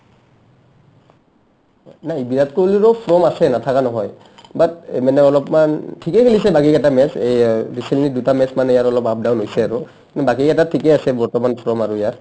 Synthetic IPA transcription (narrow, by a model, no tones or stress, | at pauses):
naibiɹatkoliɹɔpʰɹɔmasɛnatʰakanɔɦɔj | batmanɛɔlɔpmantʰikekʰelisɛbakikɛtamɛsejɹisenidutamɛsmanijaɹɔlɔpap̚dawnɦojsɛaɹu | nɛbakikɛtatʰikɛasɛbɔɹtɔmanpʰɹɔmaɹuijaɹ